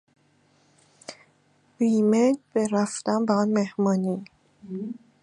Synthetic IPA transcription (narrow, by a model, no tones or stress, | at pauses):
biːmedbeɾæft̪ænbeɒnmehmɒːniː